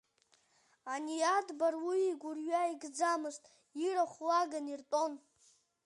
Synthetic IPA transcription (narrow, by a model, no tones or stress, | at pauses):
anijadbarwiiɡʷurɥaiɡd͡zamɨztʼ | iraχʷlaɡanirtʼo̞n